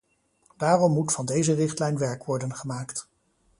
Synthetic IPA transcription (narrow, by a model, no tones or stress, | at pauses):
d̥aːrɔmːutfɑndejzərɪχtlɛjnʋɛɹkʋɔɹdənχəmaːkt